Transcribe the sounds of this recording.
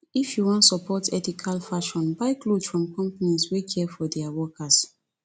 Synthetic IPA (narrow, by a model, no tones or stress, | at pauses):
ifjuwɔ̃ntsɔpɔtʰɛtikʰalfaʃɔ̃nbaɪklodfɹɔ̃mkɔ̃mpaniswikʰɛfɔdɛawɔkas